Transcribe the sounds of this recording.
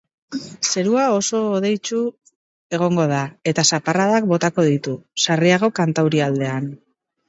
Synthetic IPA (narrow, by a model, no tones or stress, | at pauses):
se̞ɾuao̞so̞ːð̞e̞jt͡ʃu | e̞ɣ̞o̞ŋɡo̞ð̞ae̞t̪asaparaðak̚bo̞t̪ako̞ðit̪usariaɣo̞kant̪awɾiald̪e̞an